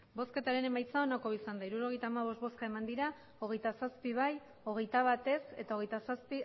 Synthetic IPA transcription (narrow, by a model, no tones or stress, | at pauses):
bo̞ske̞t̪aɾene̞majt͡sao̞nako̞isand̪aiɾuɾo̞ɣ̞ejt̪aːmaβ̞o̞st̪̚βoskae̞mand̪iɾa | o̞ɣe̞jt̪asaspiβaj | o̞ɣ̞e̞jt̪aβ̞at̪e̞se̞̰t̪aoɣe̞jt̪asaspi